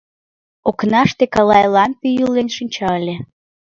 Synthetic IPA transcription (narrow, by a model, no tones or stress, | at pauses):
oknɑʃt̪ekɑlɑjlɑmpʲijulenʃɨnʲt͡ɕɑlʲe